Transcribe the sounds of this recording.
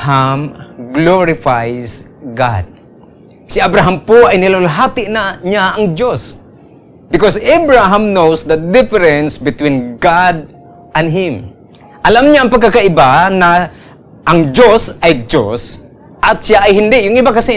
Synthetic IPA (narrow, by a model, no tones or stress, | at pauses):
hamɡloɹɪfajs | ɡa̰d̪̚ | sɪabɾaɦampoʔajnɪlolaɦat̪ɪʔnaɲaɐŋd͡ʒos | bɪkosabɹaɦãmnowsd̪ɐd̪ɪfɛɾɛ̃nsbɪt̪wĩnɡad̪̚ | ʔɐ̃nɦɪm | ʔɐlamɲaːŋpɐɡkakaʔɪbana | ʔɐŋd͡ʒosʔajd͡ʒos | ʔɐt̪sjaʔːjɦɪnd̪ɪʔjʊŋɪbakasɪ